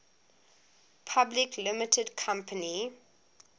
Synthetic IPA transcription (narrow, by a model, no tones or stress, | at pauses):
pʰablɪkʰlɪmɪtʰədkʰãmpʰəni